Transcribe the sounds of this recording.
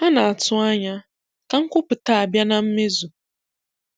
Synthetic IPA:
a˦nã˨a˨tʰʊ˦a˦ɲã˦ | kã˦ŋ̩˦kʊ˦pɨ˨tʰaː˦˨bja˦nã˦m̩˦mɪ̃˦zu˨

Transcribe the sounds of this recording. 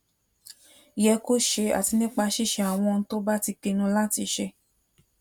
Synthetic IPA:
jɛ˧ko˦˨ʃe˧a̰˨ti˧nĩ˦k͡pa˧ʃi˦˨ʃɛ˧a˨w̃ɔ̃˧n˧˦to˦ba˦ti˧ke˧nũ˧˦la˦ti˧ʃe˧

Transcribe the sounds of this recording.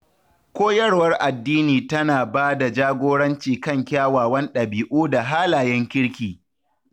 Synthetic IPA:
kʷoː˦jɐ˦rwɐ˦rʔa˨dːiː˦niː˨tɐ˦naː˨baː˦da˨d͡ʒaː˦ɡʷoː˦ɽɐ˦nt͡ʃiː˨kɐ˦˨ŋkʲaː˦waː˨wɐ˦nɗɐ˨biː˨ʔuː˦da˨ɦaː˦laː˨jɛ˦ŋkʲɪ˦ɽkʲiː˨

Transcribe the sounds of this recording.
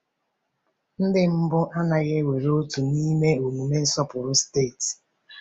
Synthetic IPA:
n̩˦dɪ˦m̩˦bʊ˦ʔa˦na˨ɣe˦we˨ɾo˦tu˨ni˦me˦o˨mu˨me˦n̩˦sɔ˦pʊ˨ɾʊ˦ste˦˨t

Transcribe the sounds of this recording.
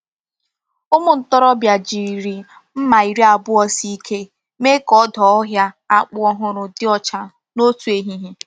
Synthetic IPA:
ʊ˦mʊ˨n̩˨tɔ˦ɾɔ˦bja˨d͡ʒi˨ɾi˨ | m̩˦ma˨i˨ɾi˦a˨bʊ˦ɔ˦si˦kʰe˦ | me˦kɔ˦dɔ˨ɔ˦ɦja˦ | a˦k͡pʊ˦ɔ˦ɦʊ˨ɾʊ˨dɪ˦ɔ˨t͡ʃa˨ | no˦tu˨e˦ɦi˦ɦi˦

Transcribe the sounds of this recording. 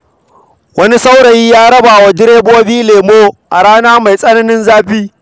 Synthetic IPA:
wɐ˦ni˦sa˦wɽɐ˨jiː˦jaː˦ɽɐ˦baː˨wa˨dɪ˦ɽeː˦boː˦biː˦leː˨moː˦ʔa˨ɽaː˦naː˦ma˨jsʼɐ˦nɐ˦nɪ˦nzaː˦ɸiː˦

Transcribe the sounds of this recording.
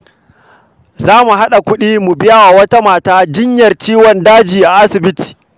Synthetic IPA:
zaː˦mu˨ɦa˦ɗa˨kʷʊ˦ɗiː˦mu˨bɪ˦jaː˦waː˨wɐ˦ta˦maː˨taː˦d͡ʒɪ˦ɲjɐ˨rt͡ʃiː˦wɔ˨ndaː˦d͡ʒiː˨ʔa˨ʔa˦sɪ˨bɪ˦ti̥ː˨

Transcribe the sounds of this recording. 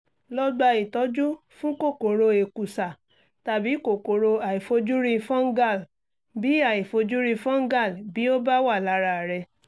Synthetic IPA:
lɔ˦ɡ͡ba˧i˨tɔ˨˧˦d͡ʒu˦ | fũ˦ko˦˨ko˨ɾo˧e˨ku˨sa˨ | ta˨bi˨˦ko˨ko˨ɾo˧a˨i˨fo˧d͡ʒu˦ɾĩ˧fɔ̃˦ŋ̩˦ɡa˦˨l | bi˨˦a˨i˨fo˧d͡ʒu˦ɾĩ˧fɔ̃˦ŋ̩˦ɡa˦˨lbi˨˦o˦ba˦wa˦˨la˨˧˦ɾa˧˨ɾɛ˧

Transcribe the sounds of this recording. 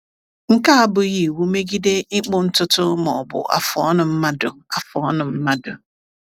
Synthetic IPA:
ŋ̩˦ka˦a˦bʊ˨ɣi˨wu˦me˦ɡi˦de˦ɪ˦k͡pʊ˦n̩˦tʊ˦tʊ˦mɔ̰˨bʊ̰˨ʔa̰˨fɔ˨˦nʊ˨m̩˦ma˦dʊ˨a˨fɔ˨˦nʊ˨m̩˦ma˦dʊ˨

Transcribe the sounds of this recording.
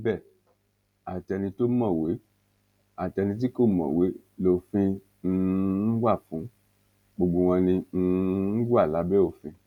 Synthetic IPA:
bɛ˦˨ | a˨tɛ˧nĩ˧to˦mɔ̃˦˨we˨˦ | a˨tɛ˧nĩ˧t̬i˦ko˦˨mɔ̰̃˨we˨˦ | lo˨fĩ˧ | n̩˧n̩˦ɡʷa˦˨fũ˨˦ | ɡ͡bo˨ɡ͡bo˨w̃ɔ̃˧nĩ˧n̩˧˦ɡʷa˦˨la˨˦bɛ˦o˦˨fĩ˧

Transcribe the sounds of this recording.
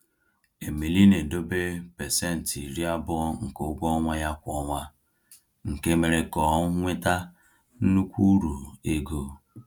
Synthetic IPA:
e˨me˨li˦ne˨do˦be˦pe˨se˦˨n̩˨ti˨ɾi˦a˦bʊ˦ŋ̩˨ko˨˦ɡʷɔ˦ŋʷa˦ja˦kʷɔ˦ŋʷa˦ | ŋ̩˨ke˦me˨ɾe˨kɔ˨˦ŋʷɪ˦ta˦ | n̩˦nu˦kʷu˦ɾu˨e˦ɡo˨

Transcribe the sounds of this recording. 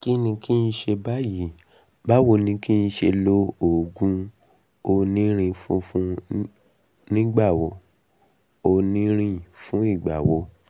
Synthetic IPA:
ki˦nĩ˧ki˦ĩ˧ʃe˧ba˦ji˨˦ | ba˦wo˧nĩ˧ki˦ĩ˧ʃe˧lo˦o˨ɡũ˦ | o˧nĩ˦ɾ̃ĩ˧fṵ̃˦fũ˦ | nĩ˦ɡ͡ba˦˨wo˨˦ | o˧nĩ˦ɾ̃ĩ˦˨fũ˦i˦˨ɡ͡ba˨wo˨˦

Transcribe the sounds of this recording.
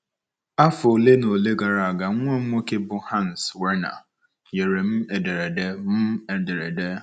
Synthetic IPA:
a˦fo˨le˦no˨le˦ɡa˨ɾa˨a˨ɡa˨˦ŋʷe˦˨˦mo˦ke˦bʊ˦ha˦˨n̩˨swe˦na̰˨ | je˨ɾe˨m̩˦e˨de˨ɾe˨de˦m̩˦e˨de˨ɾe˨de˦

